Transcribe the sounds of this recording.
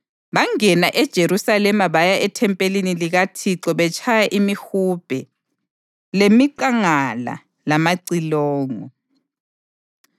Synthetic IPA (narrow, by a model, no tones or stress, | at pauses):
βaŋɛnaʔɛd̥ʒ̥ʱeɾusalɛmaβajaʔɛtʰɛmpʼeliniliɣatʰiǁɔβɛt͡ʃʰʼajaʔimihub̥ʱɛ | lemiǃaŋala̰ | lamaǀilɔːŋɔ